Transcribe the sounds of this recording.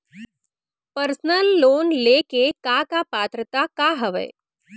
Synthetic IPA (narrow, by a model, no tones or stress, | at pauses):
pəɾsənəlːoːnlekekakapaːt̪ɾət̪akaɦəʋə̰j